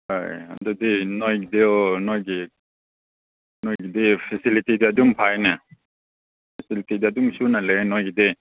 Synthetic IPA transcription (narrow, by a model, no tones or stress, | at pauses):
ha̰ja̰dudinojɡidenojɡi | nojɡidepʰesilitidiadumpʰajna | pʰesilitidiadumsunalenojɡide